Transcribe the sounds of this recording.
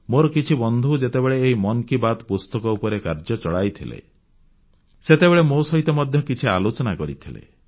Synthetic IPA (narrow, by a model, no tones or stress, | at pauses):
moɾɔkit͡ʃʰibɔnd̪ʱuwd͡ʒet̪ebeɭeːɦimɔnɔkibat̪pust̪ɔkɔupɔɾekaɾd͡ʒɔt͡ʃɔɽajt̪ʰilḛ | set̪ebeɭemosɔɦit̪ɔmɔd̪ʱjɔkit͡ʃʰialot͡ʃɔnakɔɾḭt̪ʰilḛ